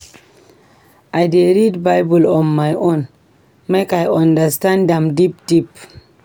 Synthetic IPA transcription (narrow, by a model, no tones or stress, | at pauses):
ʔajdeɹidbaɪbulɔ̃nmajʔõn | mekajãndəstãndɛ̃mdipd̥ip